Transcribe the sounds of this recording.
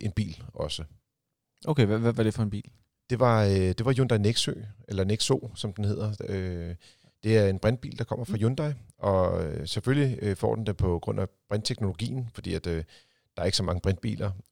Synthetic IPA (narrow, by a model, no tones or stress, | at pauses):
ʔe̝nb̥ḭːlɒ̽sə | ʔoʊkʰeʋæʋæʋɑ̈ɾ̥e̝fɒ̽e̝nb̥ḭːl | d̥e̝ʋɑ̈d̥e̝ʋɑ̈jond̥ɑ̈ɪneɡ̥sø̰ːʔelɐneɡ̥so̝̰ːsɒ̽md̥enhe̝ð̰ˠɐø | d̥e̝æɐe̝nb̥ʁand̥̚b̥ḭːld̥ɑ̈kʰɒ̽m̰ɐfʁɑ̈jond̥ɑɪʔɒ̽øseføljifɒ̰ːd̥end̥empʰɒ̽ɡ̥ʁɔ̽n̰æb̥ʁand̥̚t͡sʰeɡ̥no̝lo̝ɡ̥ḭːn̩fɒ̽d̥ḭːæd̥ | d̥ɑ̈ɐe̝ɡ̥sɒ̽mɑ̈ŋəb̥ʁand̥̚b̥ḭːlʔɐ